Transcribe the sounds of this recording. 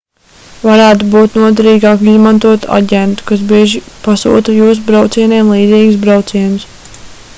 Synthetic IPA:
vaɾæːt̪ubuːt̪nuɔd̪ɛɾiːɡaːkizmant̪uɔt̪ua̰ɟʲɛnt̪u̥kas̬biɛʒipasṵːt̪ujuːs̬ubɾawt̪siɛnɛːmlˠiːd̪ziːɡs̬bɾawt̪siɛns

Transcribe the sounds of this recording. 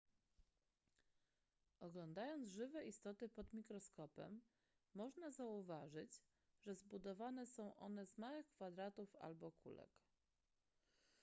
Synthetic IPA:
ʔɔɡlɔnd̪ajɔnd̪zʐɘvɛʔist̪ɔt̪ɘpɔd̪mʲikɾɔskɔpɛ̰mː | ɔʐnazauvaʐɘd͡ʑ | ʐɛzbud̪ɔvanɛsɔ̃w̃ʔɔ̰nɛzmawɘxkfad̪ɾat̪ufa̰lbɔkʰṵlɛ̰k

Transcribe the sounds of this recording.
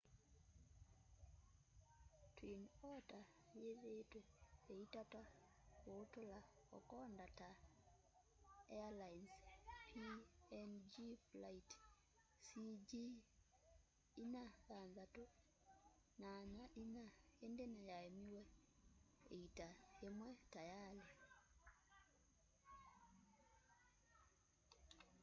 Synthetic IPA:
twinɔta | jeðetwɛeitata | otola | ɔ̰kɔndata | ɛalajnspiɛnd͡ʒiflait | sid͡ʒi | inaɣanðato | naɲaʔinaendenajaemiwɛ | eitaemwɛtajale

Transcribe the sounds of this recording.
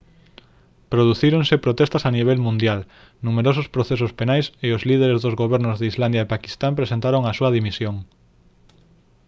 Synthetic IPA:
pɾoð̞uθiɾoŋsepɾot̪ɛst̪ɐsaniβ̞ɛlmũnd̪jal | numeɾosʊspɾoθes̬ʊspenajseozliðeɾezðozɣoβɛɾnʊzðeizland̪jaepaki̥st̪ampɾesẽnt̪aɾoŋɐsuɐðimisjoŋ

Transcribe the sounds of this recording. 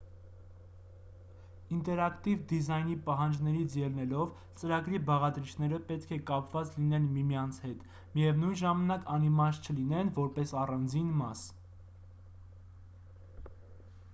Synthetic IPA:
int̪ɛɾɑkt̪ivd̪izɑjnipɑɦɑnd͡ʒnɛɾit͡sʰjɛlnɛlɔv | t͡səɾɑɡɾibɑʁɑd̪ɾit͡ʃʰnɛɾəpɛt̪̚kʰɛkɑpvɑt͡slinɛnmimijɑnt͡sʰhɛt̪ | mijɛvnujnʒɑmɑnɑkɑnimɑst͡ʃʰəlinɛnvɔɾpɛsɑrɑnd͡zinmɑs

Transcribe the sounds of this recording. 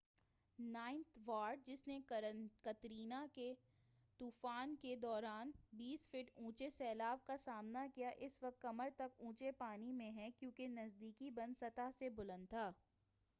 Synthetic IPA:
naːɪ̃nt̪ʰʋaːɾɖ̚d͡ʒɪsnekɐt̪ɾiːnake | t̪uːfaːnked̪ɔːɾaːnbiːsfɪʈũːt͡ʃesɛːlaːʋkasaːmnakijaʔɪsʋɐk̚t̪kɐməɾt̪ɐk̚t̪ũːt͡ʃepaːnimẽɦɛ̃kjũːkenɐzd̪iːkibɐ̃nd̪sɐt̪aɦsebʊlə̃nd̪̚t̪ʰaː

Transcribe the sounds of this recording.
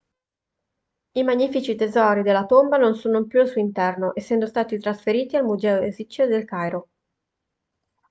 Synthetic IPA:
imaɲːifit͡ʃit̪ezɔːɾid̪elːat̪ombanonsuːnompjuasuint̪ɛrnoʔesːɛnd̪ost̪aːt̪it̪ɾasfeɾiːt̪ialmuzɛːoezit͡ʃːod̪elkajɾo

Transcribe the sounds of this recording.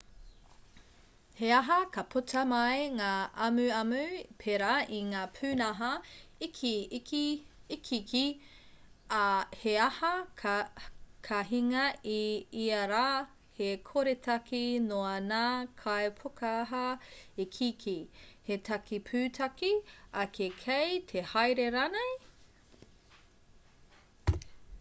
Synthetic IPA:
heɐɦɐkɐpʰutʰɐmɐjŋaːʔɐmʉɐmʉpʰeɾaʔiŋaːpʰʉːnɐɦɐikʰikiikʰiki | heɐhɐ | kʰɐɦiŋɐiiɐɾaː | hekʰoɾetʰɐkinoɐnaːkʰaepʰokɐːɦɐikʰikʰihetʰɐkipʰʉːtʰɐkiɐkʰekʰejtʰehajɾeɾanej

